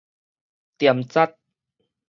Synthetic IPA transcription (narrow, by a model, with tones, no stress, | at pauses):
t̪i˨˩əmt͡sa˥˩t̪̚